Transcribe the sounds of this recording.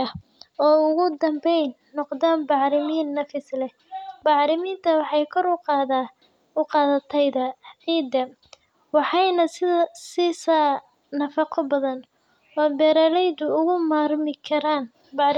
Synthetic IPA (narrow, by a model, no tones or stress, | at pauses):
ɐ | ɔːʊɣʊd̪ɐmbɛjnːɔqd̪aːnbɑʕɾɪmiːnːɐfɪslɛh | bɑʕɾɪmiːnt̪ʰɐwɑħɑjkʰɔɾʊqːð | ʊqɑːðɐt̪ʰɛjðɐiːd̪ɐ | wɑħɑjnɐsɪðɐsisaː | nɐfɑqʰɔbɐðɐn | wɑːbɛːɾaːlɛjd̪ʊʊɣʊmaːrmɪkʰɐɾaːn | bɑɾ